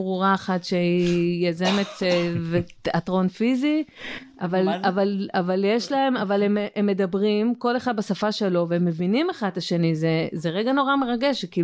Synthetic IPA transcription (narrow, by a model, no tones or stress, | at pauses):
bʁuʁaaχatʃeijazemetve | atʁo̞nfiziʔavalavalavaljeʃlae̞mavalememːe̞d̪abʁimko̞le̞χad̪̚basafaʃelo̞veemːe̞vinimeχad̪laʃe̞nizezeʁeɡano̞ʁame̞ʁaɡe̞ʃki